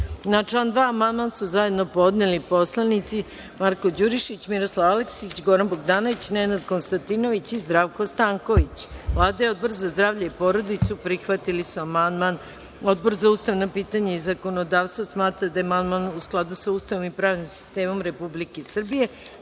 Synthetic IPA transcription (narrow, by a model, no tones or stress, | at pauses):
nat͡ʃland̪ʋaːmand̪mansuzaje̞d̪no̞po̞d̪nelipo̞slˠanit̪si | maɾko̞d͡ʑuɾiʃit͡ɕmiɾo̞slˠaʋaleksit͡ɕɡo̞ɾanboɡd̪aːno̞ʋit͡ɕnenad̪ko̞nst̪ant̪ino̞ʋit͡ɕizd̪ɾaʋko̞st̪aːŋko̞ʋit͡ɕʋlˠaːd̪ajeo̞d̪̚bo̞ɾzazd̪ɾaːvʎaipo̞ɾo̞d̪it̪supɾixʋat̪ilisuamand̪man | o̞d̪̚bo̞ɾzauːst̪aʋnapiːt̪aɲaizako̞nod̪aːʋst̪vasmaːt̪ɾad̪amand̪manusklˠad̪usauːst̪aʋomipɾaːʋnimsi̥st̪e̞ːmo̞mɾe̞publikesr̩bije̞